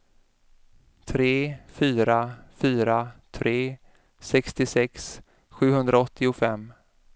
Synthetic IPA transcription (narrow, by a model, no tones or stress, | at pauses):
t̪ʰɾeːfyːɾafyːɾat̪ʰɾeː | sɛkst̪ɪsɛks | ɧʉ̟ːhɵnd̪ɾaɔt̪ʰːɪʊfɛmː